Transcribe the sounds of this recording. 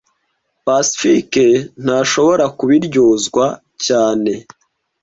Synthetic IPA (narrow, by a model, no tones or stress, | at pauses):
pasi̥fiken̥haːʃo̞βo̞ɾakuβiɾɟoːzɡwa | caːne̞